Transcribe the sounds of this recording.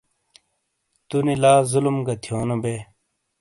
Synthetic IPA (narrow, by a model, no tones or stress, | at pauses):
t̪unilaːzulumɡɐt̪ʰijoːnobeː